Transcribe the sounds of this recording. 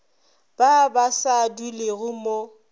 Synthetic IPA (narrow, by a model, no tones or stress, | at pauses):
b̥abasaduleɣʊmo